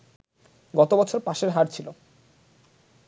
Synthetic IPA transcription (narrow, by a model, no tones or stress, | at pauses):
ɡɔt̪obɔt͡ɕʰoɾpaʃeɾɦaɾt͡ɕʰilo